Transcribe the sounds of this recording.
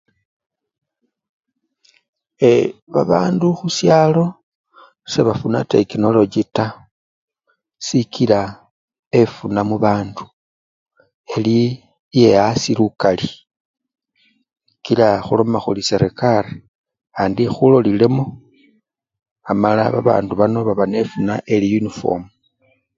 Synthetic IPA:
eβaβaːnduxusjaːlo̞ | se̞βafunate̞kino̞lo̞d͡ʒita | sikila | e̞funamuβaːndu | e̞li | je̞asilukali | kilaxulo̞maxulise̞ɾekaɾe | aːndixulo̞lile̞mo | amala̰βa̰βa̰ːnduβano̞βaβane̞funaʔe̞lijunifo̞̰m

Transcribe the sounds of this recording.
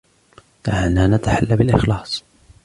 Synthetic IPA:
t̪aʕanaːnat̪aħalːabɪlʔɪxlɑːsˤ

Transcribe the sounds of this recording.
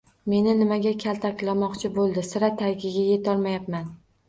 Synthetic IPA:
me̞nɪnɪmaɡʲakʲʰalt̪ʰakʲlamɒqt͡ʃʰɪbolˠd̪ɪsɪɾat̪ʰaɡʲɪɡʲaje̞t̪ʰɒɾmajapman

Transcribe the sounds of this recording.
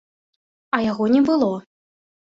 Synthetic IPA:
ɐjaɣɔnʲɛbɨlˠɔ

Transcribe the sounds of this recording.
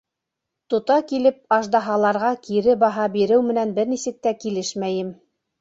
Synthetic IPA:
t̪ŏt̪ɑkilɘp̚ɑʒd̪ɑɦɑlˠɑɾʁɑkiɾɘbɑɦɑbiɾɘwmɘ̆nænbɘɾnisɘ̆k̚t̪ækilɘʃmæjɘm

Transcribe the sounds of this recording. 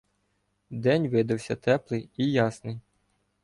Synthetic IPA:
d̪ɛnʲʋɪd̪ɐwsʲɐt̪ɛplˠɪjijɑsnɪj

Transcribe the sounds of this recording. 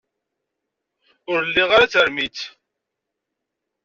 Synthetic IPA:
ʊɾlːiʁaɾat͡səɾmit͡s

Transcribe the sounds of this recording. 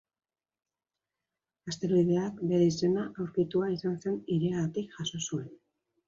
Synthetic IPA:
ast̪e̞ɾβið̞e̞akbe̞ɾe̞ise̞naʔawɾkit̪uaisanse̞niɾeaɣat̪ikʝaso̞sue̞n

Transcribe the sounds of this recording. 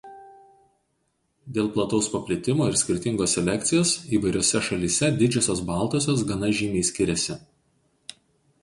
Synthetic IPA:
d̪ʲeːlˠplˠɐt̪ɔʊspɐpʲlʲɪt̪ʲɪmoːɪɾsʲkʲɪɾʲt̪ʲɪŋɡoːsʲɛlʲɛkʲt̪sʲɪjoːsiːʋɐɪɾʲoːsʲɛʃɐlʲiːsʲɛd̪ʲɪd͡ʒʲoːsʲoːs̬bɑˑlˠt̪oːsʲoːs̬ɡɐnɐʒʲiːmʲɛɪsʲkʲɪɾʲɛsʲɪ

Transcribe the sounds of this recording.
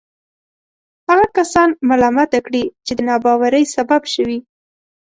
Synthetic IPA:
haɣakasɑnmalɑmat̪akɽit͡ʃed̪ənɑbɑwaɾəjsababʃəwi

